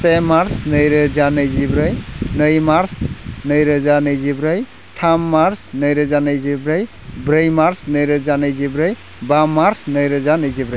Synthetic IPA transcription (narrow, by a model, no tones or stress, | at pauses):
semaɾsnɯjɾɯzanɯjzibɾɯjnɯjmaɾsnəjɾɯzanɯjzibɾɯj | ʈʰamːaɾsnəjɾɯzanɯjzibɾɯj | bɾɯjmaɾsnəjɾəzanɯjzibɾɯj | bamːaɾsnəjɾɯzanɯjzibɾəj